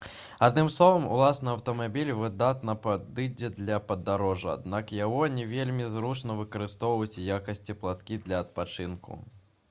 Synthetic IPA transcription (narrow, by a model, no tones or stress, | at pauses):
ad̪nɨmslˠɔvɐmṵlˠasnɨɐwt̪ɐmabʲilʲvɨd̪at̪nɐpad̪ɨd͡zʲɛd̪lʲɐpɐd̪aɾɔʐɐa̰d̪nakjaɣɔnʲɛvʲelʲmʲizɾut͡ʂnɐvɨkɐɾɨst̪ɔwvɐjut͡sʲjakɐsʲt͡sʲiplˠat̪kʲid̪lʲɐɐt̪̚pat͡ʂɨnkṵ